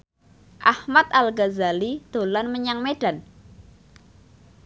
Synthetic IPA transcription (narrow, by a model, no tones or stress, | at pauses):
ʔahmat̪̚alɡazalid̪̥o̤lanməɲaŋmeɖ̥a̤n